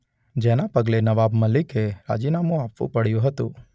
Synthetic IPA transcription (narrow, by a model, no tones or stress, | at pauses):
d͡ʒenapəɡlenɐʋabmɐlɪkeɾa̰d͡ʒinamũapʋṵ̃pəɽjũɦət̪ṵ̃